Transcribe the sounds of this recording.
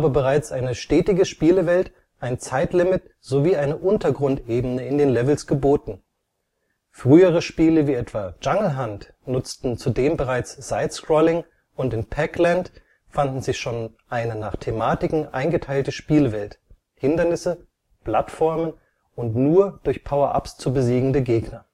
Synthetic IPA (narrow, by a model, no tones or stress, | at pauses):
aːbəbəʁaɪt͡sʔaɪnəʃtɛːtɪɡəʃpiːləvɛlt | ʔaɪnt͡saɪtlɪmɪt | z̥oviːaɪnəʔʊntɐɡʁʊntʔeːb̩nəɪndeːnlɛvl̩sɡ̥əboːtn̩ | fʁ̥yːəʁəʃpiːləviːɛtv̥aːd͡ʒaŋl̩ɦant | nʊt͡stn̩t͡sudeːmbəʁaɪt͡sz̥aɪskʁ̥ɔlɪŋ | ʊntɪnpʰɛklɛnt | fandn̩zɪçʃoːn | ʔaɪnənaːχtʰemaːtɪkŋ̩ʔa̰ɪnɡətʰaɪltəʃpiːlvɛlt | hɪndɐnɪsə | pl̥atfɔɐmən | ʊntnuːɐd̥ʊɐçpʰaʊɐʔa̰pst͡subəziːɡŋ̩dəɡeːɡnɐ